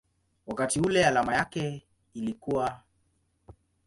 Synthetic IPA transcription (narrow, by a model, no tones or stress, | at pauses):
wakatiulɛalamajakɛ | ilikuwa